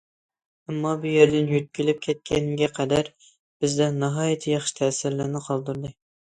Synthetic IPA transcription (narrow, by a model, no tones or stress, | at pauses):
æmːɑbujeɾd̪ɪnjøt̪̚kʲilɪp̚kʲʰɛt̪̚kʲʰɛnɡʲɛqʰæd̪æɾ | b̥ɪzd̪ɛnɑɦɑːjɪt̪ʰɪjɑχʃi̥t̪ʰɛsɪɾlænɨqʰɑlˠd̪uɾd̪ɨ